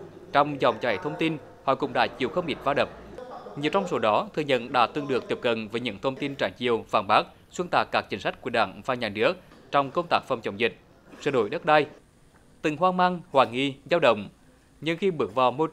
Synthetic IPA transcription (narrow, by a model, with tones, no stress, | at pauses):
t͡ɕɔ˧wŋ͡mzɔ̰˨˩wŋ͡mt͡ɕa˨˩jt̪ʰə˧wŋ͡mt̪i˧n | hɔ̰˧˨kʊ̰˧˩wŋ͡mɗa̰ː˧˥t͡ɕi˨˩əwxə˧wŋ͡mʔi˨˥t̚vaː˧ɗə˨˩p̚ɲi˨˩əwt͡ɕɔ˧wŋ͡mso˨˦ɗɔ˨˦t̪ʰɨ˨˩əɲə̰˧˨nɗa̰ː˧˥t̪ɨ˨˩əŋɗɨ˨˩ək̚t̪i˨˩əp̚kə̰˨nvəː˨˦jɲɨ̰˧˥ŋt̪ʰə˧wŋ͡mt̪i˧nt͡ɕaː˧˩jt͡ɕḭ˨əwvaː˨˩nɓaː˦˥k̚ | swə˧nt̪aː˨˩t̚kːaː˦˥k̚t͡ɕï˨˦ŋ̟sa˦˥k̟̚ku˧˩əɗa̰ː˧˩ŋvaː˨˩ɲaː˨˩nɨ˦˥ək̚t͡ɕɔ˧wŋ͡mkə˧ŋ͡mt̪aː˦˥k̚fwŋ͡mt͡ɕə˨˧˩wŋ͡mzï˨˩k̟̚ | sə̰ː˧˩ɗo˧˩jɗə˦˥t̚ɗa˧j | t̪ï˨˩ŋɦwaː˧maː˧ŋhwaː˨˩ŋi˧˩zaː˧wɗə̰˧˨wŋ͡m | ɲɨ˧ŋxi˧ɓɨ˨˦˩ək̚vaː˨˩wmo˧